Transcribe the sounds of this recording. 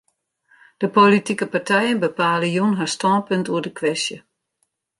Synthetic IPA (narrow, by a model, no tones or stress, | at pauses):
d̥əpolitikəpartʰɛjənbəpaːləjunɦastɔnpøntuərdəkʰʋɛsjə